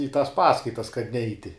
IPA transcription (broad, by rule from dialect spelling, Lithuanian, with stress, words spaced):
iː tɐs ˈpɑːskɐɪtɐs kɐt ˈnʲɛɪtʲɪ